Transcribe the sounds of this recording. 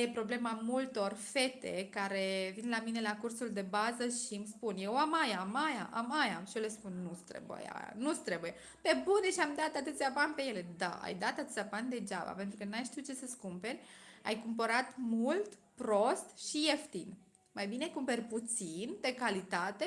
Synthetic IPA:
jepɾo̞ble̞mamult̪o̞rfe̞t̪e̞̰kaɾe̞vinlamine̞lakursuld̪e̞bazəʃimspunje̞wamajamaja̰ʔamajaʃiole̞spunːust̪ɾḛbṵja̰a̰nust̪ɾe̞buje | pe̞buneʃiamd̪at̪at̪ɨt̪sʲjabanpe̞je̞le̞d̪a̰a̰jd̪at̪at̪ɨt̪sʲaband̪e̞d͡ʒa̰ba̰pent̪ɾukənajʃt̪iwt͡ʃe̞səskumpe̞rʲa̰jkumpəɾat̪mult̪ | pɾo̞st̪ʃijeft̪in | majbine̞kumpe̞rʲput̪sind̪e̞kalit̪at̪e̞

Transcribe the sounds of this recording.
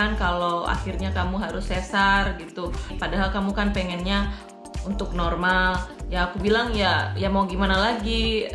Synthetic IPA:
ankaloa̰xirɲakamuɦaɾʊsːɛsarɡit̪upadaɦalkamukanpɛŋɛnɲa | unt̪ʊk̚nɔrmaljaːkubilaŋjajamawɡimanalaɡi

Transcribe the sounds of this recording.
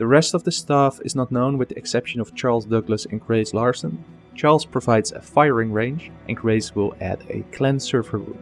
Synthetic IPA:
ðəɹɛstɔvðəstafɪ̰znətⁿnõʊ̃nwɨððiɛksɛpʃə̃nɔft͡ʃɑɹlˠzdʌɡləsɨ̃nɡɹeɪzlɑɹsə̃n | t͡ʃɑɹlˠz̥pʰɹ̥ovaɪdzə̰faɪəɹɪ̃ŋɹẽɪ̃nd͡ʒʔɨ̰̃nɡɹeɪzwɪlˠæ̰dɨ̰kʰlɛ̃nsɜ˞və˞ɹṵ̃m

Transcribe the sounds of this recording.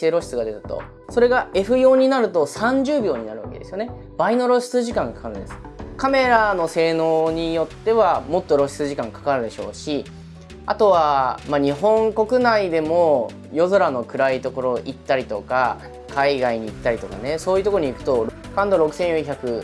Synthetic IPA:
eɾo̞ɕi̥t͡sɨɡad̪e̞t̪ɯ̥t̪o̞̰ | so̞ɾe̞ɡae̞ɸɯ̟jo̞ːɲ̟inaɾɯ̟t̪o̞sãɲ̟d͡ʑɨːbʲjo̞ːɲ̟inaɾɯ̟βake̞d̪e̞sɨjo̞ne̞ | baino̞ɾo̞ɕi̥t͡sɨʑikãŋɡakḁkaɾɯ̟nd̪esɨ̥ | kame̞ɾano̞se̞ːnoːɲ̟ijo̞t̪ːe̞βamo̞t̪ːo̞ɾo̞ɕi̥t͡sɨʑikãŋkḁkaɾɯ̟d̪e̞ɕo̞̰ːɕi | a̰t̪o̞βamaɲ̟iɦõ̞ŋko̞kɯ̟naid̪e̞mo̞ | jo̞zo̞ɾano̞kɯ̟ɾait̪o̞ko̞ɾo̞ʔit̪ːaɾʲit̪o̞ka | kaiɡaiɲ̟iːt̪ːaɾʲit̪o̞ka̰ne̞so̞ːjɯt̪okoɾoɲ̟ikɯ̥t̪o̞ɾ | kãnd̪oɾo̞kɯ̟̥sẽ̞ɰ̃jõɰ̃çakɯ̟

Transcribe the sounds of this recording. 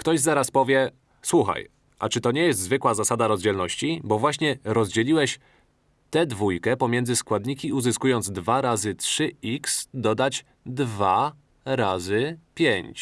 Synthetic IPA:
kt̪ɔʑzaɾaspɔvʲjɛ | swuxa̰j | ʔa̰t͡ʂɘt̪ɔɲɛjɛst̪zvɘkwazasad̪aɾɔzd͡ʑɛlnɔɕt͡ɕibɔvwaɕɲɛɾɔzd͡ʑɛlʲiwɛɕ | t̪ɛd̪vujkɛpɔmʲjɛnd̪zɘskwad̪ɲikʲiuzɘskujɔnd̪zd̪vaɾazɘtʂɘiksd̪ɔd̪at͡ɕ | d̪va | ɾazɘpʲjeɲt͡ɕ

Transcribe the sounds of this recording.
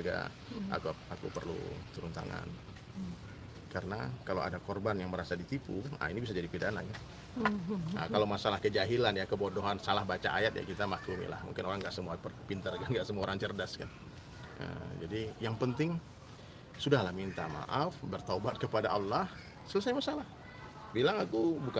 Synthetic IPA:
ɡa̰ | a̰kuakṵpərlṵt̪əɾunt̪a̰ŋa̰n | kaɾəna̰kalaowa̰dakɔrbanjaŋməɾasadit̪ipua̰inibisad͡ʒadipidana̰ja | ə̰kalawmasalahkəd͡ʒaɦilanjakəbodoɦansalahbat͡ʃaʔajat̪̚ja̰kit̪amakumḭla̰hmṵŋkɪnoɾaŋɡaʔsəmuaərpint̪ərɡanɡaʔsəmuaoɾaŋt͡ʃərdaskan | ə̰d͡ʒadijaŋpənt̪ɪŋ | sudahlahmint̪a̰ma̰ʔafbərt̪obat̪̚kəpadaʔalːah | səlasajɲjmasalah | bilaŋakubuka

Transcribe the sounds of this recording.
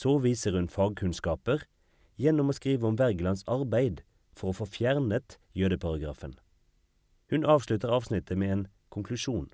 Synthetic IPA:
soːʋiːsəʁhʉnfɑːɡ̚kʰʉnskɑːpəʁ | jɛnɔmoːskʁiːʋəɔmʋæʁɡlɑnsɑʁbæɪd̪ | fɔʁoːfoːfjæʁnət̪jøːd̪əpʰɑʁɑɡʁɑ̰ːfən | hʉnɑːʋʃlʉt̪əʁɑːʋsnɪt̪ʰəmeːeːn | kʰʊŋkʰlʉʃuːn

